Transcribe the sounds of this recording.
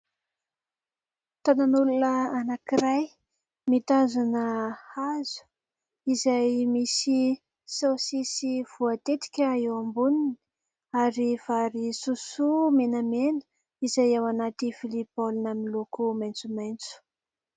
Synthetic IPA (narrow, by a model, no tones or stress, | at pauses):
t̪ananulunəanakiɾaj | mit̪azanəhazu̥ | izajmisi | sowsisiv̥uat̪et̪i̥kʲəewambunini | aɾiv̥aɾisusumenamenə̥ | izajawanat̪ifilipolinamilokumajnt͡sumajnt͡su̥